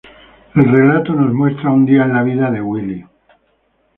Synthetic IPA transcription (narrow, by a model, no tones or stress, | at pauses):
elre̞lat̪ono̞zmwe̞st̪ɾaund̪iaenlaβiðaðe̞ɣwili